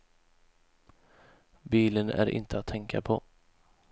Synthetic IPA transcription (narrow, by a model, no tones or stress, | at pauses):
biːlənæ̰ɾʔɪ̰nt̪əat̪ʰːɛŋkʰapʰɔ